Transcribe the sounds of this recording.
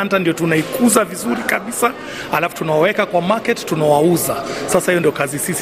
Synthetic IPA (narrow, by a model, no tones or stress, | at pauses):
ntandijɔtunaikuzavizuɾikaɓisa | halafu̥tunawɔwɛkakwamakɛttunawauzasasahijɔndijɔkazisis